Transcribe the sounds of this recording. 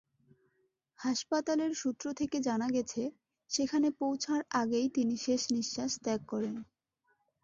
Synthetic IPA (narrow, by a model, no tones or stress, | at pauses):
haʃpat̪aleɾʃut̪ːɾot̪ʰeked͡ʑanaɡɛt͡ɕʰe | ʃekʰanepowt͡ɕʰaɾaɡejt̪iniʃeʃniʃːaʃt̪ɛkːɔɾen